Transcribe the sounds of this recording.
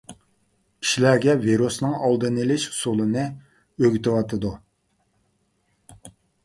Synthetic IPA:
kʲʰi̥ʃilæɾɡʲɛviɾusnɨŋɑlˠd̪ɨnɨlɪʃu̥sulˠɨnɨ | øɡʲyt̪ɪwɑt̪ʰɨd̪u

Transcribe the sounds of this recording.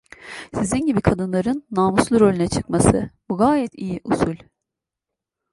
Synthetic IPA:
sizinɟibikʰad̪ɯnlˠaɾɯnːaːmuslˠuɾolʲinɛt͡ʃʰɯ̥kmasɯbuɡaːjɛt̪ʰijiʔusulʲ

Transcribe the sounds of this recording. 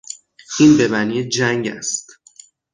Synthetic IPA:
ʔinbe̞bæniːd͡ʒæŋɟæ̰st̪

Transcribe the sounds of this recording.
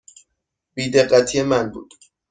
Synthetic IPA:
biːd̪e̞ɢːæt̪ʰijemænbṵːd̪̥

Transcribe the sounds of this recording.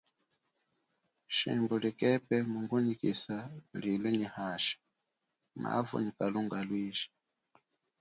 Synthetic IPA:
ʃḭmbɔlikɛpɛmuŋɡunikisalilɛɲihaʃḁ | ma̰vṵɲikaluŋɡalwiːʒi̥

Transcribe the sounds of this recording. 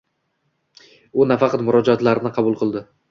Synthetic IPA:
ʊnafɑqʰɑt̪mʊɾɒd͡ʒɒt̪laɾɪnɪqʰɑbʊlˠqʰɨlˠd̪ɪ

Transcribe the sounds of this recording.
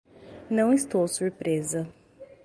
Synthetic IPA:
nɐ̃w̃ɪst̪owsuɾpɾezɐ

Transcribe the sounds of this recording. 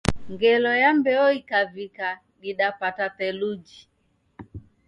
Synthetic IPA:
ŋɡɛlɔjambɛɔikavika | ɡiɗapatatɛlud͡ʒi

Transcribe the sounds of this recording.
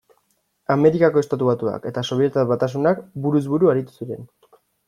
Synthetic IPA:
ame̞ɾikako̞est̪at̪uβat̪ua̰ke̞t̪aso̞βjet̪aβat̪as̬unakbuɾuzβuɾuaɾit̪u̥suɾe̞n

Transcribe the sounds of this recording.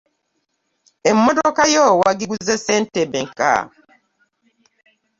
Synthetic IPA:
emːɔdɔkajɔwaɡiɡuzɛsɛn̩tɛbɛŋka̰

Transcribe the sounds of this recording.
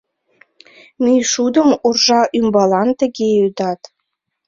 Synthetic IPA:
myjʃud̪ə̆murʒɑʔymbɑlɑnt̪ə̆ɣeyd̪ɑt̪

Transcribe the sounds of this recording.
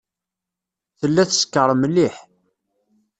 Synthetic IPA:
θəlːæθskːəɾˤmlːiħ

